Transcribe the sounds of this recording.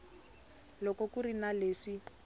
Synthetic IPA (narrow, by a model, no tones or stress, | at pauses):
lɔkɔkurinaleːʂi